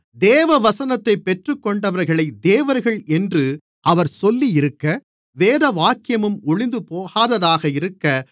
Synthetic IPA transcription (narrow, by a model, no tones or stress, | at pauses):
d̪eːʋɐʋɐsɐnɐt̪ːɐɪpːɛʈrɯkːɔɳɖɐʋɐɾɣɐɭɐɪd̪eːʋɐɾɣɐɭɛndrɯ | ʔɐʋɐɾsɔlːijɪɾɯkːɐ | ʋeːðɐʋaːkːɪjɐmɯmʊɭɪnd̪ɯpoːɣaːðɐðaːɣɐɪɾɯkːɐ